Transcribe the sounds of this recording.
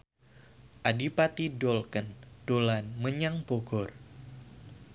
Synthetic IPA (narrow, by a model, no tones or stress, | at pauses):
ʔadipat̪idɔlkənd̥olanməɲaŋpoɡɔr